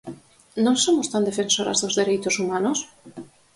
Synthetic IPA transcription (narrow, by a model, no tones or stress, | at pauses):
nõŋsomost̪and̪efẽnsoɾa̰zðozðeɾejt̪osumanos